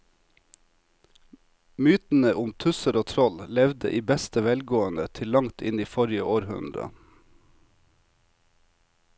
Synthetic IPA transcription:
myːt̪n̩əʔʊmt̪ʰʉsəɾoːt̪ʰɾɔllɛʋd̪ə̰ʔiːbɛst̪əʋɛlɡoːənət̪ʰɪllɑŋt̪ʰɪ̰niːfɔɾɪəʔoːɾhʉ̰nɾə̰

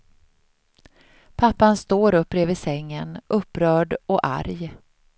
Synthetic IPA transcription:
pʰapːanst̪oːɾɵpːɾeːvɪsɛŋːənʔɵpːɾœːɖɔʔa̰ɾj

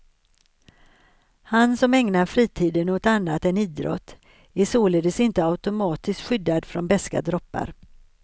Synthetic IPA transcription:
hansɔmɛŋnaɾfɾiːt̪ʰiːd̪ənɔt̪anːat̪ɛniːd̪ɾɔ̰t̪ː | æsoːled̪əsɪnt̪əaʊt̪ʊmɑːt̪ɪst̪ɧʏd̪ːad̪fɾɔnbɛska̰d̪ɾɔpːa̰ɾ

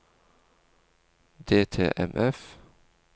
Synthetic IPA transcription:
d̪eːt̪ʰḛːʔɛ̰mʔɛf

